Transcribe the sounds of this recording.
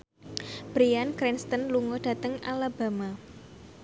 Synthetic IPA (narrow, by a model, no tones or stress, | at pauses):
b̥ɾiankɾinst̪ənluŋod̥ä̤t̪əŋʔa̰laba̤ma